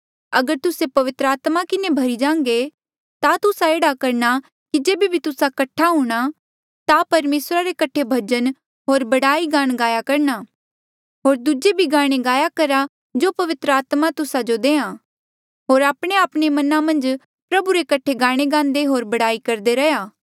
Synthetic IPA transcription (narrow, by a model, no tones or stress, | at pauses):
ɐɡəɾt̪ʊsepɐʋɪt̪ɾəaːt̪makɪnebʱɐɾid͡ʒãːŋɡe | t̪at̪ʊsaeːɽakɐɾna | kid͡ʒeːbibʱit̪ʊsakɐʈʰaɦuːɽ̃a | t̪apɐɾmeːsɾaɾekɐʈʰebʱɐd͡ʒən | ɦoːɾbɐɽaːiɡãːɽ̃ɡaːjakɐɾɳaː | ɦoːɾd̪ud͡ʒebʱiɡãːɽ̃eɡaːjakɐɾa | d͡ʒoːpɐʋɪt̪ɾəaːt̪mat̪ʊsad͡ʒod̪ẽːã | ɦoːɾaːpɽ̃eaːpɽ̃emɐnãmɐ̃nd͡ʒ | pɾɐbuɾekɐʈʰːeɡãːɽ̃eɡãːnd̪eɦoːɾbɐɽaːikɐɾd̪eɾɐjaː